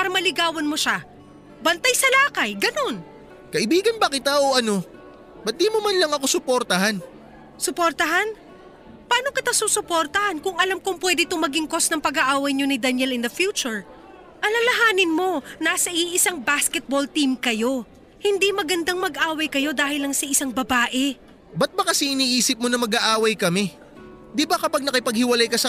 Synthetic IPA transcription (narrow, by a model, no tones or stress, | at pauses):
paːɾɐmɐlɪɡaːwɐnmoʃa | bɐnt̪ajsɐlaːkɐjɡɐno̞n | kɐʔɪbiːɡɐnbɐkɪt̪aʔoʔɐno̞ | bɐt̪̚d̪imomɐnlɐŋɐko̞sʊpoɾt̪ɐhan | sʊpoɾt̪ɐɦan | paːno̞kɪt̪asuːsʊpoɾt̪ɐhankʊŋɐlamkʊŋpwɛd̪ɪt̪ʊmɐɡɪŋko̞snɐŋpɐɡaʔaːwɐjɲo̞nɪd̪ɐnjɛlɪnd̪ɐfjuːt͡ʃʊɹ | ʔɐlɐlɐɦaːnɪnmo̞nasɐʔiʔɪsaŋbaskɛt̪̚bo̞lt̪imkɐjo̞ | hɪnd̪imɐɡɐnd̪aŋmɐɡʔaːwɐjkɐjo̞d̪aːhɪlɐŋsɐʔɪsaŋbɐbaːʔɛ | bɐt̪̚bɐkɐsɛɪniːʔiːsɪp̚monɐmɐɡaʔaːwɐjkɐmɛ | d̪ɪbɐkɐpɐɡ̚nɐkɪpɐɡ̚hɪwɐlajkɐsɐ